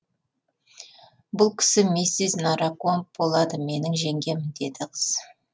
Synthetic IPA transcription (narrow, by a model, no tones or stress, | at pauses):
bʊlˠkʲʰɪ̥sɪmesɪznɑɾakonp̚b̥o̞lˠɑd̪əme̞nɪŋʒe̞ŋɡʲe̞mɪnd̪e̞d̪ɪqʰəz̥